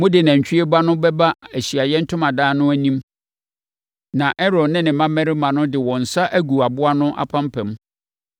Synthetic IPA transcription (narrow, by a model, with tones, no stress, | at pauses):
mʊ̃˦dɪ˨næ̃˨ɲ̩˨t͡ɕᶣi˦e˦ba˦nʊ̃˦bɛ˦ba˦æ˨ɕi˨a˨jɛ˦n̩˦tʰʊ̃˦mã˨daː˦nʊ̃˦æ˦nĩ˦m | nã˨ʔɛ˦ɾɔ˨dnɪ̃˦nɪ̃˨mã˦mɛ˦ɾɪ˦mã˨nʊ̃˦dɪ˨wɔ̃˨n̩˨sa˦ʔæ˦ɡu˨a˨bʊ˦a˦nʊ̃˦ʔa̰˦pʰã˦mpʰɛ̃˨m˦